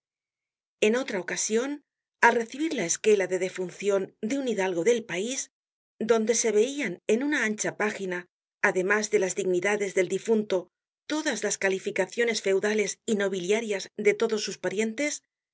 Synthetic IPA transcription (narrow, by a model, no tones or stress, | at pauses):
e̞no̞t̪ɾaokasjo̞n | alre̞θiβiɾlae̞ske̞laðe̞ðe̞funθjo̞nd̪euniðalɣo̞ðe̞lpais | d̪o̞nd̪e̞se̞βe̞iane̞nunaant͡ʃapaxinaː | ðe̞mazðe̞lazðiɣniðaðe̞zðe̞ld̪ifunt̪o̞ | t̪o̞ðazlaskalifikaθjo̞ne̞sfe̞wðale̞sino̞β̞iljaɾjazd̪e̞t̪o̞ðo̞sːuspaɾje̞nt̪e̞s